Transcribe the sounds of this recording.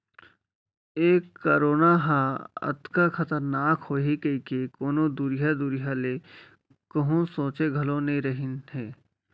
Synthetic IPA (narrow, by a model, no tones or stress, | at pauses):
eːkːəːɾoːnaɦãə̰t̪kaxət̪əɾnaːkhoːɦikəikekoːnod̪uːɾɪjad̪uːɾɪjale | kɐɦõsõːt͡ʃeɡʱɐlonɐɦĩɾəɦɪnɦeː